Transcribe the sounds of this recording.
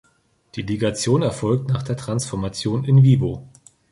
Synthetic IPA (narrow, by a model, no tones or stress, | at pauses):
d̥iːliɡat͡sjoːnɛɐfɔlk̚tnaːχd̥eːɐtʁ̥ansfɔɐmat͡sjoːnɪnviːbo